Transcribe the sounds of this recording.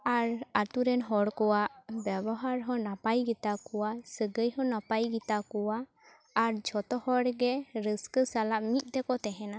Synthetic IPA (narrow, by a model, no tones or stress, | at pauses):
aɾat̪uɾɛnɦɔɽkɔwaʔbɛbɔɦaɾɦɔ̃napajɡit̪akɔwaʔsəɡəjɦɔ̃napajɡit̪akɔwaː | ɾd͡ʒʱɔt̪ɔhɔɽɡɛɾəskəsalaʔmit̪̚ˀt̪ɛkɔt̪ɛɦɛna